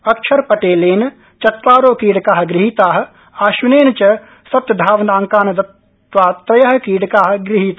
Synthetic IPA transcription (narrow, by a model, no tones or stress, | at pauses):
ɐkʃʰɐɾpɐʈeːleːn | t͡ʃɐt̪ʋaːɾoːkiːɽkaːɦɡɾɪɦit̪aːɦ̆ | aːʃineːnt͡ʃɐ | sɐt̪d̪ʱaːʋnaːŋkaːnɐd̪ɐt̪ | ʋaːt̪ɾɐjɐɦkiːɽkaːɦɡɾɪɦit̪ː